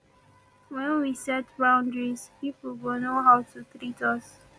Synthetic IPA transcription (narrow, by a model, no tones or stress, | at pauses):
wɛ̃nwisɛtbãʊ̃ndɹispiplwɪlnoɦawtʰut̪ɹitʰʌs